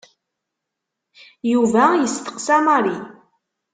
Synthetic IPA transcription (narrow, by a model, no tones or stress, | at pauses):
juvæjəst̪ə̥qsæmaɾi